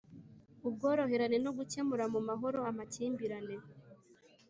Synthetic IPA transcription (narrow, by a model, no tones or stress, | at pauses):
ub̚ɡo̞ːɾo̞ɦe̞ɾane̞noɡuce̞muɾamumaɦo̞ɾo̞amaciːmbiɾane̞